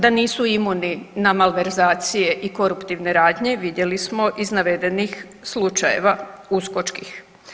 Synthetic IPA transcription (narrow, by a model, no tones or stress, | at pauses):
d̪aniːsuimuninamalʋe̞ɾzaːt̪sije̞ʔiko̞ɾupt̪iʋne̞ɾaːd̪ɲe̞ʋid̪je̞lismo̞ʔiznaʋe̞d̪e̞nix | slˠut͡ʃaje̞̰ʋausko̞t͡ʃkix